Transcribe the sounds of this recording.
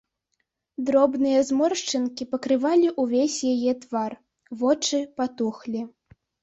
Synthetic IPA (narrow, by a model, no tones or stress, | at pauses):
d̪ɾɔbnɨjɐzmɔrʂt͡ʂɨnkʲipɐkɾɨvalʲiʔuvʲesʲjajɛt̪var | vɔt͡ʂɨpat̪uxlʲi